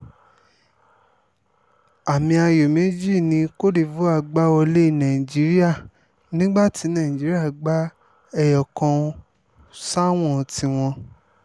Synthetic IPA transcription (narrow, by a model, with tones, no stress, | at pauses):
a˨mĩ˧a˧jo˨mẽ˨˦d͡ʒi˦˨nĩ˧ko˦di˧vo˦a˧˨ɡ͡ba˦ɔ˧le˦i˦˨nã˨i˨d͡ʒi˨˦ɾi˦a˦˨ | nĩ˦ɡ͡ba˦˨ti˨˧˦nã˦˨ĩ˨d͡ʒi˨˦ɾi˦a˦˨ɡ͡ba˦ | ɛ˧jɔ˨kã˧ | sa˦w̃ɔ̃˦˨ti˧w̃ɔ̃˧